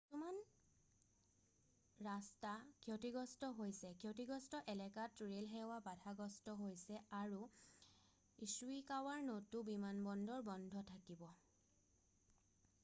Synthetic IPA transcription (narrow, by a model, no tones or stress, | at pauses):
tuman | ɹastakʰiotiɡɔstɔɦojsɛkʰiotiɡɔstɔʔɛlɛkatːuɹelɦɛwabatʰaɡɔstɔɦojsɛaɹu | isuikawaɹnotubimanbɔndɔɹbɔndʱɔtʰakibɔ